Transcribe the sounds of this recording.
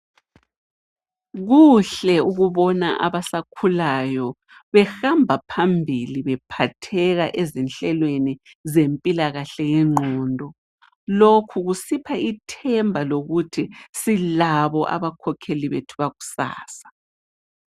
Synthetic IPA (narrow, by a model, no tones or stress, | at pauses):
ɣuɬɛuɣuβɔna̰ʔa̰βasakʰulajɔ | βɛxambʱapʰambʱiliβɛpʰatʰɛɣaʔezinɬɛlweni | zempʼilaɣaɬɛjɛŋ͡ǃʱɔːndʱɔ | lokʰuɣusipʰaitʰɛmbʱaloɣutʰisilaβɔʔa̰βakʰɔkʰeliβetʰuβaɣusa̰ːsḁ